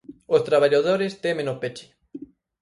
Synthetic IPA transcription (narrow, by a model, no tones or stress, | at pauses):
ost̪ɾaβaʎaðoɾest̪emẽnopet͡ʃi̥